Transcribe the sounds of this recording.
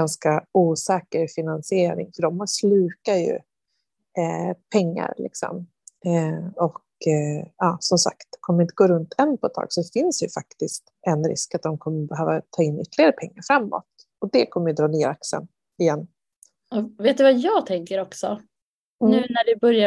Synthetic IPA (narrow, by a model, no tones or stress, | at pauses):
anskauːsɛːkəɾfɪnansɪeːɾɪ̰ŋfœɖɔmhaslʉ̟ːkajɵ̰ | pʰɛŋːa̰ɾlɪ̰ksɔ̰m | ɔk | ɑːsɔmsa̰kt̪kʰɔmːəɾɪnt̪əɡoːɾɵnt̪ʰɛnːpʰɔɛt̪ʰːɑ̰ːɡ̥sɔd̪ɛfɪnsjɵfakt̪ɪst̪ɛnɾɪ̰skat̪̚d̪ɔmkʰɔmːəbɛɦøːvat̪ʰɑːɪnːʏ̰t̪ʰːlɪɡaɾəpʰɛŋːaɾfɾamːɔ̰t̪̚ | ɔd̪ɛkʰɔmːəjɵd̪ɾɑːneːɾaksə̰n | ɪjɛnː | veːt̪̚d̪ɵvajɑːt̪ʰɛŋkəɾɔksɔ | nʉ̟ːnæɖɵbœɾja